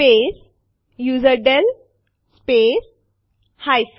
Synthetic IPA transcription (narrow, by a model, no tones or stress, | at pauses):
pes | juːzəɾɖel | spes | hajs